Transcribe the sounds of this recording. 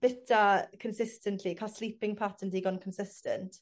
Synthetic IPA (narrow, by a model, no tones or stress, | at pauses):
b̥ɪtʰakʰənsɪstə̃ntʰlikʰalˠslipɪŋpʰatʰəndiːɡɔnkʰənsɪstə̰ntʰ